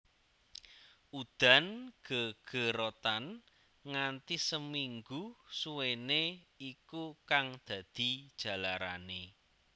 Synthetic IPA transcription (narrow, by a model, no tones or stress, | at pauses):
ʔud̪̥a̤nɡ̥əɡ̥ə̤ɾot̪an | ŋant̪isəmiŋɡusuweneikukaŋd̪̥ä̤d̪̥i̤d̥ʒ̥ä̤laɾa̰ne